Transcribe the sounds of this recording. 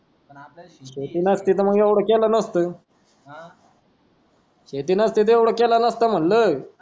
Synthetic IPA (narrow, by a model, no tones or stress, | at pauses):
ɕet̪iːnəst̪iːt̪əm̤əɡjewɽəkɛlanəst̪əː | ɕet̪iːnəst̪it̪əjeʋɽəkɛlənəst̪əm̤ənləː